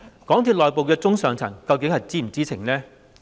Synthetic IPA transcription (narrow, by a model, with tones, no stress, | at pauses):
kɔː˨˥ŋt̪ʰiː˧t̚lɔː˨˩jpo˨wkɛː˧t͡sʊ˥ŋsœː˨ŋt͡sʰɐ˨˩ŋkɐ˧wkɪ˨˥ŋhɐ˨jt͡siː˥m̩˨˩t͡siː˥t͡sʰɪ̰˨˩ŋnɛː˥